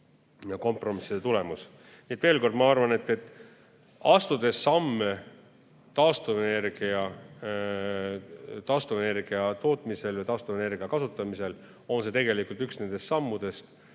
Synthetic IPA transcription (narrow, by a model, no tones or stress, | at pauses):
jɑko̞mpro̞misːid̪et̪ule̞mus | niet̪ve̞ːlko̞rd̪̚mɑɑrvɑne̞t̪ːe̞t̪ːˑ | ɑst̪ud̪̥e̞sːɑmːe | t̪ɑːst̪uvene̞rɡ̥iɑ | t̪ɑːst̪uvene̞rɡ̥iɑt̪o̞ːt̪ˑmise̞lvɨjt̪ɑːst̪uvene̞rɡ̥iɑkɑsut̪ːˑɑmise̞l | o̞nset̪eɡe̞likˑult̪yksne̞nd̪̥e̞st̪sɑmːud̪̥e̞st̪